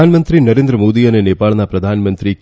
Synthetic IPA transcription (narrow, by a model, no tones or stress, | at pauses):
aːnmɐnt̪ɾinɐɾeːnd̪ɾɐmoːd̪ijɐneneːpaːɭɐnapɾɐd̪ʱaːnmɐnt̪ɾik